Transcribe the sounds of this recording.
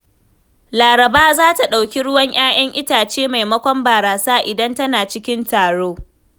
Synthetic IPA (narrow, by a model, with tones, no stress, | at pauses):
laː˨ɾɐ˨baː˦zaː˦ta˨ɗa˨wkʲi˦ɽʊ˦wɐ˦ɲj̰aː˦j̰ɐ˦ŋʔɪ˦taː˨t͡ʃeː˦ma˨jmɐ˦kʷɔ˦mbaː˨ɾaː˨saː˦ʔɪ˨dɐ˦ntɐ˦naː˨t͡ʃɪ˦kʲɪ˦ntaː˨ɽoː˦